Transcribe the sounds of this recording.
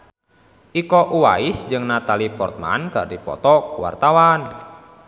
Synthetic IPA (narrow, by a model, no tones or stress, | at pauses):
ʔikɔʔuwaisd͡ʒɨŋnat̪alipɔrt̪̚ma̰nkə̰rdipɔ̰t̪ɔkuwa̰rt̪awan